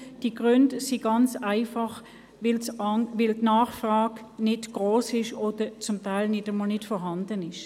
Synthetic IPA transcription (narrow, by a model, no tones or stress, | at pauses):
d̥iɡʁʏndsiɡɑnt͡saɪfɑχ | ʋɪlsʋɪltnaːχfʁaːɡ | nɪtɡ̥ʁoːsɪʃoːd̥ət͡sʊmtaɪlnɪdəmɔlnɪtfɔɦɑndənɪʃ